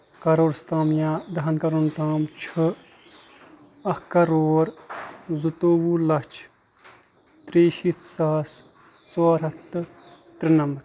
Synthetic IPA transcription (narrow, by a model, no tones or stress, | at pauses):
kɐɾoːɾst̪aːmjaːd̪ɐɦɐnkɐɾoːnt̪aːmt͡ʃʰɨ | ɐhkɐɾoːɾzut̪oːwuːlɐt͡ʃʰ | t̪ɾeːʃiːt̪ʰsaːs | t͡soːɾɐt̪ːɨ | t̪ɾinɐmɐɾ